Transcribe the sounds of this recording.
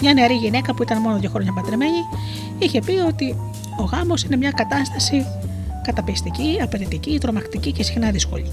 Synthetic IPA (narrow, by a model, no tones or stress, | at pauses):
mɲɐne̞ɐɾiʝine̞kɐpuit̪ɐnmo̞noðʝoxɾo̞ɲɐpɐt̪ɾeme̞ɲi | içe̞pio̞t̪i | o̞ɣɐmo̞sine̞mɲɐkɐt̪ɐst̪ɐsi | kɐt̪ɐpist̪iciɐpeɾit̪icit̪ɾo̞mɐkt̪icice̞sixnɐðisko̞̰ʎḭ